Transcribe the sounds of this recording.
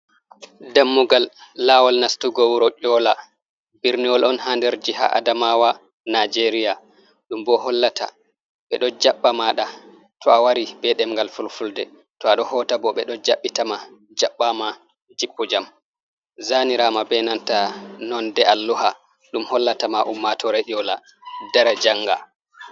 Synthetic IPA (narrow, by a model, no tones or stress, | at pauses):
damːuɡalːawalnastuɡɔwuɾɔt͡ʃɔːla | biɾniɔlɔnhandɛɾd͡ʒiɦa̰ʔa̰damawa | nad͡ʒeɾija | ɗumbɔhɔlːata̰ | ɓɛɗɔd͡ʒaɓːamaɗa | tʰɔawaɾibɛɗɛmŋɡalfulfuldɛ | tɔaɗɔhɔtabɔɓɛɗɔd͡ʒaɓːitama | d͡ʒaɓːama | d͡ʒipːɔd͡ʒam | zaniɾamabɛnantanɔndɛalːuha | ɗumhɔlːatamaʔumːatʰɔɾɛʔɔla | dɛɾad͡ʒaŋɡa̰